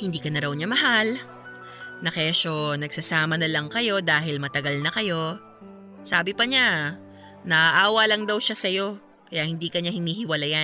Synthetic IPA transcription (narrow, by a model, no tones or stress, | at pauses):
hɪnd̪iːkɐnɐɾɐwɲamɐɦal | nɐkɐjaʃonɐɡsɐsaːmɐnɐlɐŋkɐjo̞d̪aːɦɪlmɐt̪ɐɡalnɐkɐjo̞ | saːbɪpɐɲa | nɐʔaʔaːwɐlɐŋd̪ɐwʃasɐjo̞ | kɐjaʔhɪnd̪iːkɐɲahɪniːhɪwɐlaja